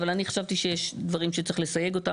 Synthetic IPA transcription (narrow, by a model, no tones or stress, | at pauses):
valaniχḁʃavt̪iʃejeʃd̪vaʁimʃet͡seχle̞saje̞ɡo̞t̪a